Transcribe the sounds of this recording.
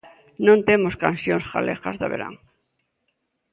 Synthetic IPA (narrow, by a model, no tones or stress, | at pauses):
nõnt̪emoskansjõŋsxa̰lʔeɣazðaβḛɾa̰ŋ